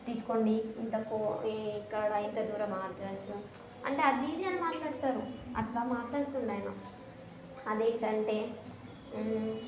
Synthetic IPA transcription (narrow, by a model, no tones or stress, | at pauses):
t̪iːsu̥koːɳɖiint̪ɐkokːɐɽɐint̪ɐd̪uːɾɐmaːʈaːsu | ɐ̰ɳʈe̞ːɐd̪iːd̪iɐnɐmaːʈlaːɽt̪aːɾuɐ̰t̪laːmaːʈlaːɽut̪unɖaːjnɐ | ɐd̪eːɳʈɐɳʈe̞ː